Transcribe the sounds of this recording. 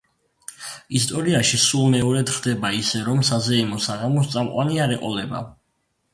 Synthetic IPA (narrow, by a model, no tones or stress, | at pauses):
ist̪ʼɔɾiaʃisulˠmɛɔɾɛt̪χd̪ɛbaisɛɾɔmsazɛɛmɔsaʁamɔst̪sʼamqʼwaniaɾɛqʼɔ̰lɛba̰